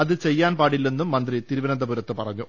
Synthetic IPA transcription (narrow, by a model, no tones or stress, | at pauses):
ɐðɨt͡ɕejːaːnpaːɽilːenːumːɐnd̪rit̪iɾuʋɐɾɐnd̪ɐpuɾɐt̪ːɨpɐrɐɲːu